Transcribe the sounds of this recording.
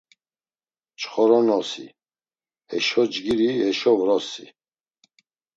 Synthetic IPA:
t͡ʃʰχɔɾɔnɔsḭ | ɛʃɔd͡ʒɡiɾiɛʃɔvɾɔsḭ

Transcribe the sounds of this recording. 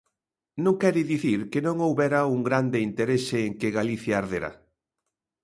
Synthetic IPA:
nõŋkɛɾiðiθiɾkenõŋowβɛɾauŋɡɾand̪eint̪eɾeseːŋkeɣaliθjaːɾðeɾa̰

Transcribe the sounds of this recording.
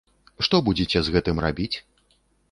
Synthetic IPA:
ʂt̪ɔbud͡zʲet͡sʲɛzɣɛt̪ɨmrabʲit͡sʲ

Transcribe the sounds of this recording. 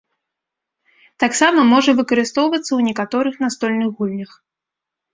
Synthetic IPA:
t̪aksamɐmɔʐɐvɨkɐɾɨst̪ɔwvɐt̪sːɐwnʲɛkat̪ɔɾɨxnast̪ɔlʲnɨɣɣulʲnʲɐx

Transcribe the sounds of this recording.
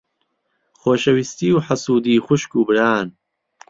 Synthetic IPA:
χoːʃɐwist̪iːwħasuːd̪iːxʊʃkuːbɨɾaːn

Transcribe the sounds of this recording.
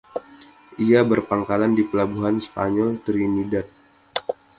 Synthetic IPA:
ʔiabərpaŋkalandipəlabuɦanspaɲɔlt̪əɾinidat̪̚

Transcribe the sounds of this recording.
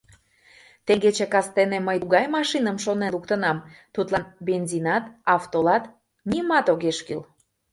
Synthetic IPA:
t̪eŋɡet͡ɕekɑst̪eneməjuɣɑjmɑʃinəmʃonelukt̪ənɑmt̪ut̪lˠɑnbenzinɑt̪ɑft̪olɑt̪ | nimɑt̪oɣeʃky̰l

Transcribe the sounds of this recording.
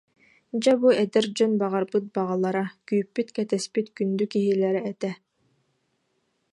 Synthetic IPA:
d͡ʑabuɛd̪ɛɾd͡ʑɔnbaʁaɾbɯt̪̚baʁalˠaɾakyːpːyt̪kɛt̪ɛspit̪kynd̪ykiɦilɛɾɛːt̪ɛ

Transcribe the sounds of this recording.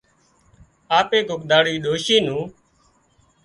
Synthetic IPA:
aːpeːɡʱʊkd̪aːɽiːɗoːʃiːnũː

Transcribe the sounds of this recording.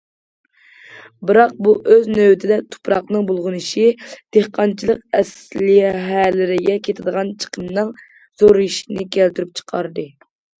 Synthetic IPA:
bɨɾɑq̚buʔøznøwt̪ʰɪd̪ɛt̪ʰu̥pʰɾɑqnɨŋbolˠʁʊnɨʃid̪̥ehqɑnt͡ʃʰilˠəqɛslɪjɦɛlɪɾɪɡʲɛkʲʰet̪ʰɪd̪əʁɑnt͡ʃʰə̥qʰəmnɨŋ | z̥oɾjiʃinɪkʲʰælt̪yɾyp̚t͡ʃʰə̥qʰɑɾd̪ɨ

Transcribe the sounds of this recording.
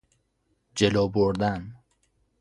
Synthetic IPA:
d͡ʒeloboɾd̪æn

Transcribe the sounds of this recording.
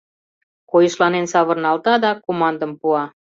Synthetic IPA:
kojəʃlɑnensɑβərnɑlt̪ɑd̪ɑkomɑnd̪əmpuɑ

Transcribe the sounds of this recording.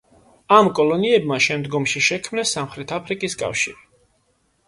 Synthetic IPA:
amkʼɔlˠɔniɛbmaʃɛmd̪ɡɔmʃiʃɛkʰmnɛsːamχɾɛt̪ʰapʰɾikʼiskʼa̰fʃiɾi

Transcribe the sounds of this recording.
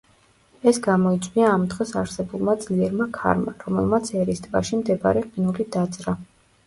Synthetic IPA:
ɛsɡamɔit̪sʼwiaːmd̪ʁɛsaɾsɛbulˠmad̪zliɛɾmakʰa̰ɾmaɾɔmɛlˠmat̪sʰɛɾist̪ʼvaʃimd̪ɛba̰ɾɛqʼinulid̪at̪sʼɾa

